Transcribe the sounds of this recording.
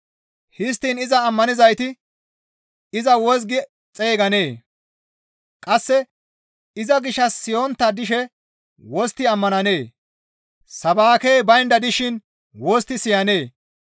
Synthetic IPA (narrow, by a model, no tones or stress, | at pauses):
hɪs̬t̪ːiːnɪzɐːmːɐnɪzɐjt̪ɪ | ɪzɐwɔs̬ɡɪ | t͡sʼeːɡɐneː | kʼɐsːɛ | ɪzɐɡɪʃɐsːɪjoːnt̪ːɐd̪ɪʃɛ | wɔst̪ːɪɐmːɐnɐne̞ː | sɐbaːkejbɐjnd̪ɐd̪ɪʃɪn | wɔst̪ːɪsɪjɐne̞ː